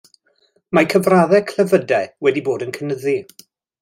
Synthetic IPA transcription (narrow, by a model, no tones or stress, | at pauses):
makʰəvraðɛkʰləvədɛwɛdiboːdənkʰənəði